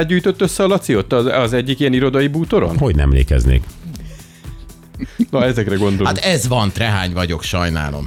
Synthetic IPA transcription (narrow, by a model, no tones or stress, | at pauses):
d̪̚ɟyːjt̪o̞t̪ːøsːɛɒlɒt̪siot̪ːɒɒzɛɟːikijɛniɾo̞d̪ɒjibuːt̪o̞ɾo̞̰nɦo̞ɟnɛ̰mlḛːkɛ̰znḛːk | nɒɛzɛkrɛɡo̞nd̪o̞aot̪ɛzvɒnt̪rɛɦaːɲvɒɟo̞kʃɒjna̰ːlo̞̰m